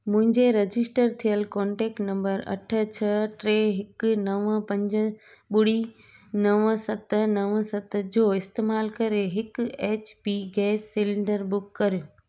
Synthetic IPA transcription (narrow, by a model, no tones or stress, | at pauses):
mʊ̃ɦɪ̃ɲd͡ʑeɾɐd͡ʑɪsʈəɾt̪ʰijəlkɔ̃ːɳʈeːk̚ʈnɐ̃mbəɾɐ̰ʈʰə̆t͡ɕʰɐʈɾeːɦɪknɐʋəpɐ̃ɲd͡ʑə̆ | ɓʊɽi | nɐʋsɐt̪nɐʋə̃sɐt̪əd͡ʑoːɪst̪eːmaːlkɐɾeɦɪkeːt͡ɕpiːɡɛːsːɪlɪ̃ɳɖəɾbʊkːɐɾɪ